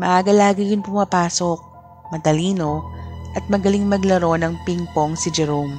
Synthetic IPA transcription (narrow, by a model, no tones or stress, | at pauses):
mɐʔaːɡɐlaːɡɪjʊnpʊmɐpaːsok̚ | mɐt̪ɐliːno̞ʔɐt̪̚mɐɡɐliŋmɐɡlɐɾo̞nɐŋpiŋpoŋsɪd͡ʒɛɾom